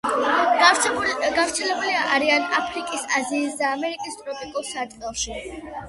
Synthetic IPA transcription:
ɡavɾt̪sʰɛlɛbuliaʔaɾianapʰɾikʼisaziːsd̪aːmɛɾikʼist̪ʼɾɔpʼikʼɔsat̪ʼqʼɛlˠʃi

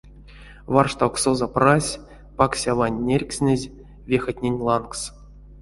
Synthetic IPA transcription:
vɑrʂt̪awksozaprasʲ | paksʲavanʲːerʲksʲnʲɘzʲ | vʲexɘ̆t̪ʲnʲenʲlˠɑnks

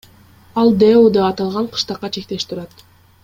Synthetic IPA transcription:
ɑlˠd̪eud̪ɑːt̪ɑlˠʁɑɴqʰɯ̥ʃt̪ɑqːɑt͡ʃʰe̞k̚t̪e̞ʃt̪ʰuɾɑt̪

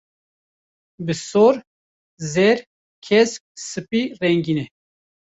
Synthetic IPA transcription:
bɨsoɾ | zɛɾ | kʰɛsk̚sɨpirɛŋɡinɛ

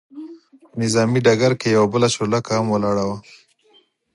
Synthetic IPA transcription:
nɪzɑːmiɖaɡaɾkejawabəlaʃolakaamwəlɑɽawa

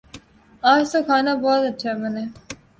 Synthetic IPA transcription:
aːd͡ʒt̪okʰaːnabɔːt̪ɐːt͡ʃʰɛːmɛneː

